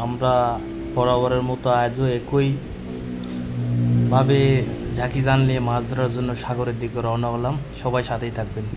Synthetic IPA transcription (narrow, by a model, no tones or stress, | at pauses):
amɾa | pɔɾabaɾeɾmɔt̪oajd͡ʑoekoj | bʱabed͡ʑʱakid͡ʑanliemad͡ʑuɾaɾd͡ʑonːoʃaɡoɾeɾd̪ikoɾɔonaɦɔlamʃɔbajʃat̪ʰejt̪ʰak̚ben